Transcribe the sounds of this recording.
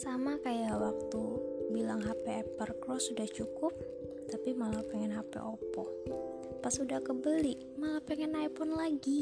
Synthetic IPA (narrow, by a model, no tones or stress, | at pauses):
samakajawak̚t̪ubilaŋɦapɛːpərkɾɔsudaht͡ʃukʊp̚ | t̪apimalapɛŋɛnɦapɛ̰ʔɔpɔh | pasudahkəbəlɪʔ | malapɛŋɛnajpʊnlaɡi